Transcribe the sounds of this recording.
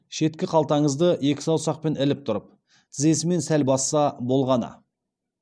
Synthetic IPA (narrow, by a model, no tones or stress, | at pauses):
ʃe̞t̪kʲɪqʰɑlˠt̪ɑɴəzd̪əe̞kʲɪ̥sɑwsɑq̚pe̞nɪlɪp̚t̪ʰʊɾəp̚ | t̪ʰɪze̞sɪme̞nsælbɑsːɑbo̞lˠʁɑnɑ̰